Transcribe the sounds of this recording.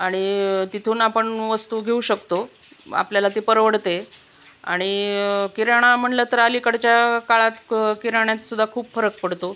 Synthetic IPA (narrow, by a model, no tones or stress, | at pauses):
aɽ̃it̪it̪ʰuːnapəɳʋəst̪uɡʱeuɕəkt̪o | a̰pljalat̪epəɾʋəɽt̪e | a̰ɽ̃ikiɾaɽ̃am̤əɳlət̪əɾalikəɽt͡ɕjakaɭat̪kiɾaɳjat̪sud̪ʱːakʰuːbfəɾək̚pəɽt̪o